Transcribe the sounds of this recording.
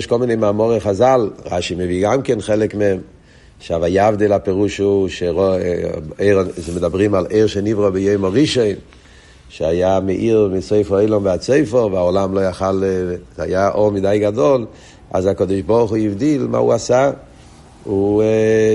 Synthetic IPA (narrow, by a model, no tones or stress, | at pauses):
ʃkɔlˠmɪneɪmaːmɔʁeχazalˠʁa̰ʃiməviːɡamkɛnχɛlɛkmɛm | ʃavajavdilapɛʁuʃuʃeʁɔ | eɪʁzmɪdabʁimaleɪʁʃɛnivʁɔbɪjoɪmɔʁiʃɔɪn | ʃeajamɛʔiʁmɪsoɪfɔoɪlɔmvɪat͡soɪfəʁvɪaɔlamlojaχala̰jaʔomɪdaɪɡadɔl | a̰zakɔdɪʃbɔʁχuivdilma̰ːṵasa | u